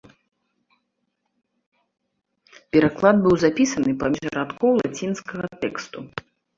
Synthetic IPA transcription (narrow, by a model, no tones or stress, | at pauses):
pʲɛɾaklˠad̪̚bɨwzapʲisɐnɨpamʲiʐɐ̰ɾat̪kɔwlˠa̰t͡sʲinskɐɣɐt̪ɛkst̪u